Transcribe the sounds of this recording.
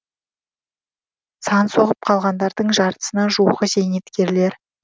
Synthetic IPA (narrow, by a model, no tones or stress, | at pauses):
sɑnso̞ʁəp̚qʰɑlˠʁɑnd̪ɑɾd̪əɴʒɑɾt̪ə̥sənɑʒuwʁəze̞jne̞t̪kʲe̞ɾle̞ɾ